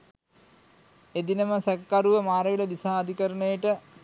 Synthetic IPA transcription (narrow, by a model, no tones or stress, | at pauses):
ed̪inɐmɐsɐkːaɾuʋɐmaːrɐʋiɭɐd̪isaɐd̪ʱikɐɾɐɳɐjɐʈːɨ